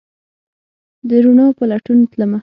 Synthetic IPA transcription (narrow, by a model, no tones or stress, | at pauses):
d̪əɾunopalaʈunt̪ləma